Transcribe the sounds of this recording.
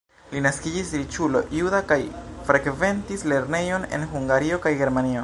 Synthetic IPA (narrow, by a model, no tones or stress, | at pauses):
linaskid͡ʒisɾit͡ʃulo̞̰ʔjudakajfɾeɡve̞ntisle̞ɾne̞jo̞ne̞̰nɦuŋɡaɾio̞kajɡe̞ɾmanio̞